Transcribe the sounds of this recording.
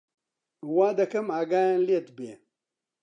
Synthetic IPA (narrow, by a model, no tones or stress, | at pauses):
waːd̪ɐkɐmaːɡaːjanlet̪bḛ